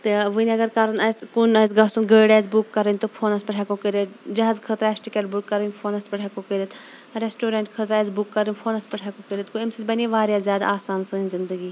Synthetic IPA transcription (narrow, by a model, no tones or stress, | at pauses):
t̪eʋəniɐɡɐɾkɐɾɐnɐskunɐs̬ɡɐsunɡəːɖaːzbukːɐɾənʲt̪opʰoːnɐspɐʈʰɛkokəɾet̪d͡ʒɐɦazkʰət̪ɾasʈikeʈ̚bukːɐɾənʲpʰoːnɐspɐʈʰɛkokəɾʲət̪ʰ | ɾeːsʈoːɾeɳʈkʰət̪ɾɛzbukːɐɾinʲpʰoːnɐspɐʈʰɛkokəɾʲət̪koimsilbɐneʋaːɾjazjaːd̪a̰aːsaːnsɨːnʲzɪnd̪əɡiː